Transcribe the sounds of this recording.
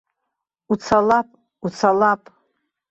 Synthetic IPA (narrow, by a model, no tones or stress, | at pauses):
ut͡sʰalapʼ | ut͡sʰalapʼ